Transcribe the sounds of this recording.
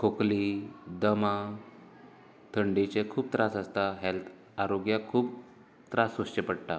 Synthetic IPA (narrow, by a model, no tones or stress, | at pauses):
kʰoklid̪əmã | t̪ʰəɳɖet͡ɕekʰuːb̚t̪ɾasəst̪aɦelt̪ʰ | aɾoɡjakʰuːp̚ | t̪ɾasost͡ɕepəɽʈ̪a